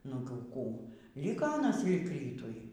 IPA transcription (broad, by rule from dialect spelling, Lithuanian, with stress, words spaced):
nʊ ˈkuː ˈlʲɪkoː ɐˈnɐs lʲɪk ˈrʲiːtʊɪ